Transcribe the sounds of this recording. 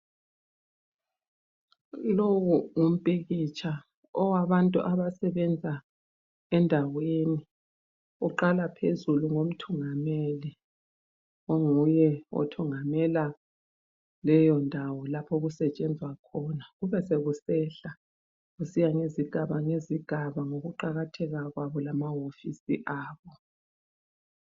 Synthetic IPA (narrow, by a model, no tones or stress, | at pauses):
lowuŋum̩pʼiɣit͡ʃʰa | ɔwaβantʼuʔaβasɛβɛnd͡zʱa | ɛndʱaweni | uǃalapʰezuluŋom̩tʰuŋameli | oŋujɛɔ̰tʰuŋamɛla | lɛjɔndʱawɔlapʰɔɣusɛt͡ʃʼɛnd͡zʱwakʰɔnaɣuβɛseɣusɛɬa | ɣusijaŋeziɡ̥ʱaβaŋeziɡ̥ʱaβaŋoɣuǃaɣatʰɛɣaɣwaβɔlamaɦofisḭʔaːβɔ